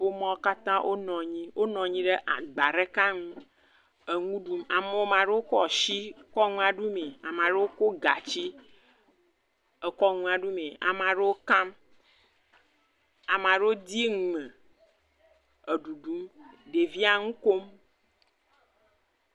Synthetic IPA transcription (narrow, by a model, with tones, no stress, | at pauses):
o˦mɔ̃˦ka˦t̪ã˦ʔo˦nɔ̃˨ɲĩ˦wʔo˦nɔ̃˨ɲĩ˦ɖe˦ʔa̰˨ɡ͡ba˨ɾe˦ka˦ŋũ˦ | ə˨ŋũ˦ɖu˦ma˨me˦wo˦mã˨ɖe˦wo˦ko˦ɔ˨ʃi˦kɔ˦ŋũ˦a˨ɖu˦me˨a˨m˨ã˨ɖe˦wo˦ko˦ɡa˨t͡ɕi˦ | ə˨kɔ˦ŋũ˦a˨ɖu˦me˨a̰˨m˨ã˨ɖe˦wo˦kã˦m | a˨m˨ã˨ɖe˦wo˦d̪i˦ŋ˨mẽ˨ | ə˨ɖu˨ɖu˦mɖe˨vi˦a˦ŋũ˦ko˦m